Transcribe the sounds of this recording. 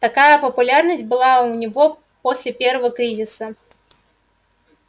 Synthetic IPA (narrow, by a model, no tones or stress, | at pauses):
t̪akajɐpɐpulʲarnɐsʲbɨlˠawnʲaɣɔ | pɔsʲlʲɛpʲɛɾvɐkɾɨzʲisɐ